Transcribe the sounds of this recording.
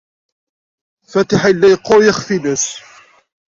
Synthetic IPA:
fæt̪ɪħailːæjqːojəxfinæs

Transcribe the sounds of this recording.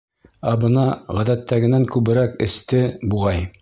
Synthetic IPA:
æbɤ̆nɑʁæðæt̪ːæɡɘ̆næŋkʉβɘ̆ɾækɘ̆st̪ɘbuʁɑj

